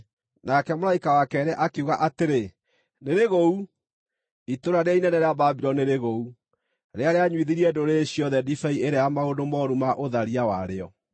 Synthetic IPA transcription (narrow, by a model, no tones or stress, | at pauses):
nakɛmoɾaikawakɛɾɛʔakeuɣaʔateɾe | neɾeɣou | itoɾaɾeainɛnɛɾeababiɾɔneɾeɣou | ɾeaɾeaɲwiðiɾiɛdoɾeɕiɔðɛdifɛieɾeaamaodomɔɾumaʔoðaɾiawaɾeɔ